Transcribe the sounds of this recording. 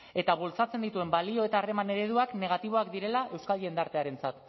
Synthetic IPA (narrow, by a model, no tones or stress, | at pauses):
e̞t̪aβult͡sat͡se̞nd̪it̪ue̞mbalio̞e̞t̪aːre̞mane̞ɾe̞ðuakne̞ɣ̞at̪iβ̞o̞ak̚d̪iɾe̞laʔe̞wskalend̪aɾt̪e̞aɾe̞nt͡sat̪